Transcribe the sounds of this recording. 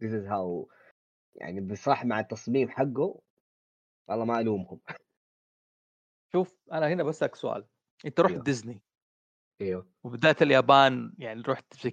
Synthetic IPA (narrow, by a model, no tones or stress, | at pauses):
d̪ɪs̬ɪzɦaw | ja̰ʕnibsˤɾˤɑħmaʕat̪ːɑsˤmiːmħaɡːʊ | ʔɑlːˤɑːmaʔaluːmhʊm | ʃuːf | ʔanahɪnabasːaksʊʔa̰ːl | ʔɪnt̪aɾuːd̪ɪzni | ʔejwa | wbɪðaːt̪aljaːbaːnjaʕniɾˤuːħt̪ɪ̥i